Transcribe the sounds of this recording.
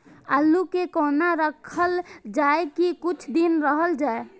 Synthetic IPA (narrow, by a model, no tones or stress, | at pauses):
alːukekoːnaɾəkʰəld͡ʒaekikʊt͡ʃʰd̪inɾəɦəld͡ʒaːe